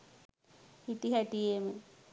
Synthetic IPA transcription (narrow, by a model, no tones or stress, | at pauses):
hiʈiɦæʈijeme